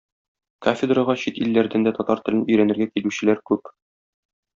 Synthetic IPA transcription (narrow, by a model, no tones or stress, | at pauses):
kofʲɪd̪raʁɑɕit̪ilːæɾd̪ænd̪æt̪ɒt̪ɑɾt̪ɘ̆lɘnɵ̆jɾænɘ̆ɾɡækilʉɕɘ̆læɾkʉp